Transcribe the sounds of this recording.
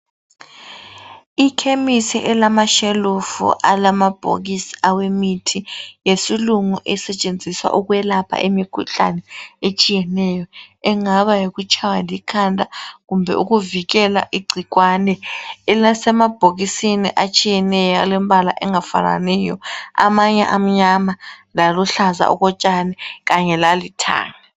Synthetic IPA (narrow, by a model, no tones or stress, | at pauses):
ikʰemisḭʔɛlamaʃelufṵʔalamab̥ʱo̰ɣisi̥awemitʰijesiluŋuʔɛsɛt͡ʃʼend͡zʱiswa̰ʔuɣuɛlapʰa̰ʔemikʰṵɬa̰nɛet͡ʃʼijɛnɛjɔɛŋaβajeɣut͡ʃʼʰawalikʰandʱʼaɣumbʱɛ̰ʔuɣuviɣɛla̰ʔiɡ͡ǀʱiɣwanɛnasɛmab̥ʱoɣisinḭʔat͡ʃʼijɛnɛjalɛm̩bʱala̰ʔɛŋafa̰na̰nɛjɔa̰maɲɛ̰ʔam̩ɲamalaluɬaza̰ʔṵɣɔt͡ʃʼanɛɣaɲɛlalitʰa̰ːŋa